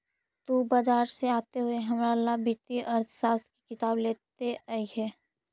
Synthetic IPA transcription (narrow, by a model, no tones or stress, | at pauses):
t̪ubad͡ʒaːɾseaːt̪eɦʊeɦɐmɾalabɪt̪iʔəɾt̪ʰsaːst̪ʰki̥kɪt̪aːbleːt̪eʔaiɦɛː